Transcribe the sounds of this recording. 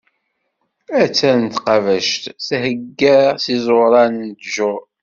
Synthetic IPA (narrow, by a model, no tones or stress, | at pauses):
æt͡sːænt̪qɑvæʃt̪θhəɡːəɾsizˤoɾˤɑnnd̪ʒʊ